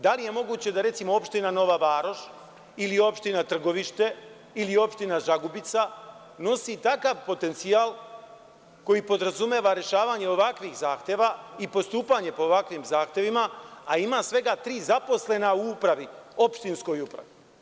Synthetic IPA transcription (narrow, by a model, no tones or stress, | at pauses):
d̪alije̞mo̞ɡuːt͡ɕed̪aɾe̞t̪simo̞o̞pʃt̪inano̞ʋaʋaːɾo̞ʃ | ilio̞pʃt̪inat̪r̩ɡo̞ʋiʃt̪e̞ | ilio̞pʃt̪inaʒaɡubit̪sa | no̞sit̪akaʋpo̞t̪e̞nt̪siaːl | ko̞jipo̞d̪ɾazume̞ːʋaɾe̞ʃaːʋaɲe̞oʋakʋixzaːxt̪je̞ʋaipo̞st̪uːpaɲe̞po̞ːʋakʋimzaːxt̪je̞ʋimaːimasʋe̞ɡat̪ɾiːzapo̞sle̞nauupɾaʋio̞pʃt̪insko̞jupɾa̰ʋi